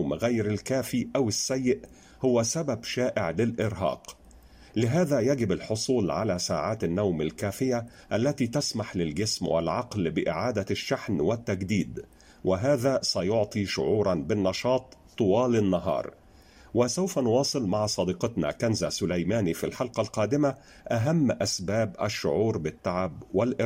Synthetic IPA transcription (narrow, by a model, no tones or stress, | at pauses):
wmɣajɾalkæːfiʔawɪsːæjːɪʔ | hʊwæsababʃaːʔɪʕlɪlʔɪɾɦɑ̰ːq | lɪɦaːðæjaɡɪbalħosˤuːlʕa̰læsa̰ːʕaːt̪anːawmalkæːfɪja | ʔalːæt̪iːt̪asmaħlɪlɡɪsmwɪ̰lʕɑqlbɪʔɪ̰ʕaːd̪aʃːaħnwɪt̪ːæɡd̪iːd̪ | wɪɦaːðæːsæjʊʕt̪ˤiʃʊ̰ʕuːɾˤɑnbɪnːɑʃɑːt̪ˤt̪ːʊwɑːlɪnːɑɦɑ̰ːɾˤ | wɪsawfanʊwɑːsˤɨlmaʕsˤɑd̪iːqɑt̪na̰kænzasʊlajmaːnifilħɑlqɑlqɑːd̪ɪma | ʔaɦamːʔasbaːbʔa̰ʃːʊ̰ʕuːɾbɪt̪ːaʕabwɪlʔɪɾ